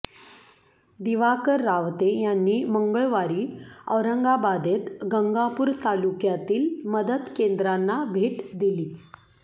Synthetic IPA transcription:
d̪iʋakəɾːaʋt̪ejanːiːməŋɡəɭʋaɾiːə̰ʋɾəŋɡabad̪et̪ɡəŋɡapuːɾt̪alukjat̪iːlməd̪əd̪kend̪ɾanːabʱeʈd̪iliː

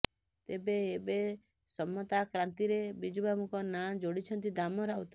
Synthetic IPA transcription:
t̪ebeːbe | sɔmːɔt̪akɾant̪iɾebid͡ʒubamukɔnad͡ʒoɽit͡ʃʰɔnt̪id̪amɔɾawt̪ḁ

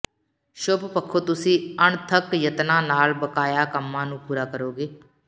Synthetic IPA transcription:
ʃʊppəkʰːoːt̪ʊsĩːəɳt̪ʰəkjət̪nãːnaːlbəkaːjaːkəmːãːnũːpuːɾaːkəɾoːɡeː

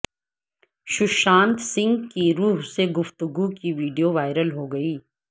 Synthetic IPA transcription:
ʃʊʃãːnt̪sɪ̃ŋɡkiɾuːɦseɡʊft̪ʊɡukiʋiːɖijoʋaːɪɾəlɦoːɡɐiː

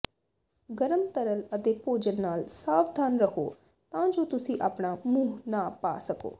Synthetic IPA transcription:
ɡəɾəmt̪əɾələt̪epoːd͡ʒənːaːlsaːʋd̪ʱaːnɾəɦo̰ː | t̪ãːd͡ʒoːt̪ʊsĩʔaːpɽamũːɦnapa̰ːsəko̰ː

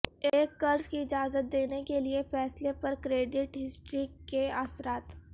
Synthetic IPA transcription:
eːkːɐɾskiɪd͡ʒaːzət̪̚d̪eːnekeliefɛːslepɐɾkɾeːɖɪʈɦɪsʈɾikeasɾaːt̪

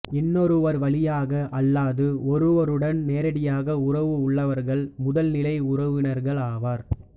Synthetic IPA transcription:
ɪnːɔɾɯʋɐɾʋɐɭɪjaːɣɐʔɐlːaːðɯɔɾɯʋɐɾɯɽɐnneːɾɐɽɪjaːɣɐʊrɐʋɯʊɭːɐʋɐɾɣɐɭmʊðɐlnɪlɐɪʊrɐʋɪnɐɾɣɐɭaːʋaːɾ

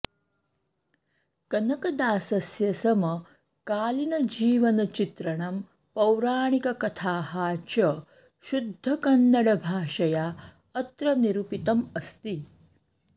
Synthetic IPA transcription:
kɐnɐkɐd̪aːsɐsjɐsɐmɐ | kaːlinɐd͡ʒiːʋɐnɐt͡ʃit̪ɾɐɳɐm | pɐwɾaːɳikɐkɐt̪ʰaːɦaːt͡ʃɐ | ʃud̪ʱːɐkɐnːɐɽɐbʱaːʃɐjaː | ɐt̪ɾɐniɾupit̪ɐmɐst̪i

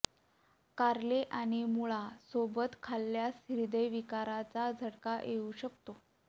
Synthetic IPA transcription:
kaɾleʔaɽ̃imuɭasobət̪kʰalːjasɾid̪əjʋikaɾat͡sad͡zʱəɽkaʔeuɕəkt̪o

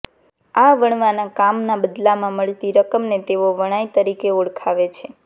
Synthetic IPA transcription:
aʋəɳ̃ʋanakamnabəd̪lamãməɭt̪iɾəkəmnet̪eʋoʋəɽ̃ajt̪əɾikeoɽkʰaʋet͡ʃʰe

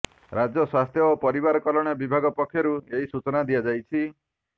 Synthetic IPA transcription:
ɾad͡ʒɔswast̪ʰjɔːpɔɾibaɾɔkɔlɔɽ̃ɔbibʱaɡɔpɔkʰːjɔɾueɦisut͡ʃɔnad̪iad͡ʒajt͡ʃʰi

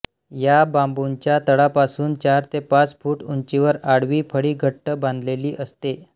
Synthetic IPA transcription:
jabambuɲt͡ɕjat̪əɭapasuːnt͡ɕaɾt̪epat͡sfuːʈuɲt͡ɕiʋəɾaɽʋiːpʰəɽiːɡʱəʈːəbãnd̪leliːʔəst̪e

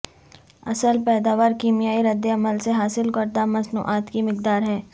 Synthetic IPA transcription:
ɐ̰səlpɛːd̪aːʋaːɾkiːmijaːiɾɐd̪ːeɐməlseɦaːsɪlkɐɾd̪amɐsnṵːʔaːt̪kimɪk̚d̪aːɾɦɛː

